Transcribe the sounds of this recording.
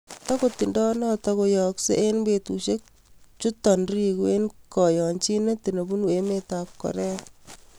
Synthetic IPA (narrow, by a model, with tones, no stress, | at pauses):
tɔ˦ko˨ti˨ndɔ˦nɔ˦tɔ˧ko˨jɔksḛ˦ʔe˦nbetu˨ʃe˦k̚ | t͡ʃu˦tɔ˨nri˦kwe˦nkɔ˨jɔ˨nt͡ʃi˦ne˦ti˨no˨bu˦nu˨e˦meta˨p̚kɔ̰˨ɾɛ˦